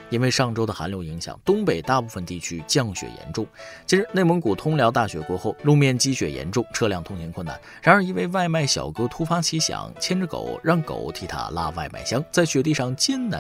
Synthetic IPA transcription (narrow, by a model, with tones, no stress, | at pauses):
i˥nwe˧˥ɪʂɑ˥˩ŋʈ͡ʂo˥ʊd̪ə˨xa̰˧˥nljo˧˥ʊi˧˥ŋɕjɑ̰˨˩˦ŋt̪ʊ˥ŋpe˨˩ɪt̪a˥˧pu˥˩fə˩nt̪i˥˩t͡ɕʰy˥t͡ɕjɑ˥˩ŋɕɥɛ̰˨˩jɛ̰˧˥nʈ͡ʂʊ˥˩ŋt͡ɕʰi˧˥ʂɻ̩˧˥ne˥˩ɪmə˧˥ŋku˨˩t̪ʰʊ˥ŋljɑ˧˥ʊt̪a˥˩ɕɥɛ˧˥kwɔ˧˥xo˥˩ʊlu˥˧mjɛ˥˩nt͡ɕi˥ɕɥɛ̰˨˩jɛ̰˧˥nʈ͡ʂʊ˥˧ŋʈ͡ʂʰɤ˥˧ljɑ˥˩ŋt̪ʰʊ˥ŋt͡ɕʰɛ˧˥kʰə˥˩na̰˩nɻa˧˥nə˞˧˥i˧we˥˧ɪʋa˥˧ɪma˥˩ɪɕjɑ̰˨˩ʊkɤ˧˥t̪ʰu˥fa˥t͡ɕʰi˧˥ɕjɑ̰˨˩˦ŋt͡ɕʰjɛ˥nʈ͡ʂə˧˩ko̰˨˩˦ʊɻɑ˥˩ŋko̰˨˩ʊt̪ʰi˧˥t̪ʰa̰˥la̰˥ʋa̰˥˧ɪma̰˥˩ɪɕjɑ˥ŋt͡sa˥˩ɪɕɥɛ˧˥t̪̬i˥˧ʂɑ˥˩ŋt͡ɕjɛ˥nna˧˥